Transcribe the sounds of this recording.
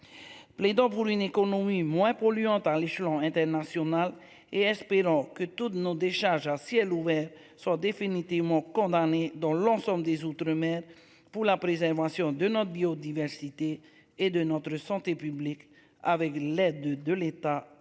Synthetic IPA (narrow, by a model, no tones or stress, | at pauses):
pled̪ɑ̃puʁynekɔnɔmimwɛ̃pɔlyɑ̃t̪aleʃlɑ̃ɛ̃t̪ɛʁnasjɔnal | eɛspeʁɑ̃kət̪ut̪nod̪eʃaʁʒasjɛluvɛʁ | swad̪efinit̪ivmɑ̃kɔ̃d̪aned̪ɑ̃lɑ̃sɑ̃bld̪ezut̪ɾəmɛʁ | puʁlapʁezɛʁvasjɔ̃d̪ənɔt̪əbiod̪ivɛʁsit̪eː | d̪ənɔt̪ɾəsɑ̃t̪epyblik | avɛklɛd̪d̪əlet̪a